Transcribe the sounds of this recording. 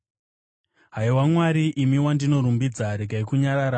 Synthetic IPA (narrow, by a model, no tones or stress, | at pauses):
ɦaiwamwaɾiʔimiwandino̞ɾumbid͡zaɾeɡaikuɲaɾaɾa